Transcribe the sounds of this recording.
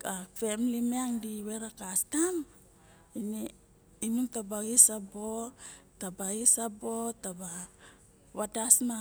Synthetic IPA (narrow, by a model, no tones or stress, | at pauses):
afe̞mlimeaŋdiwe̞ɾakastam | ine | imuŋtabaɡisabotabaɡisabotaba | βadasma